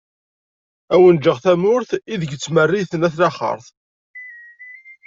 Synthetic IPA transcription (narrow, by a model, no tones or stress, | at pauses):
æwənd͡ʒəʁθæmʊɾθiðəɡt͡sːmərːiθənæθlæχə̰ɾˤθ